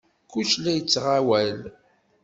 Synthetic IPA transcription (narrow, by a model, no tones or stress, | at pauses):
kːuʃlæjət͡sːʁawæl